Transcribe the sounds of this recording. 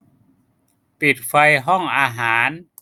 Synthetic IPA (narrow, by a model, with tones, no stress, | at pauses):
pi˨˩t̪̚fa˧jɦɔ˥˩ŋʔaː˧ɦaː˩˦n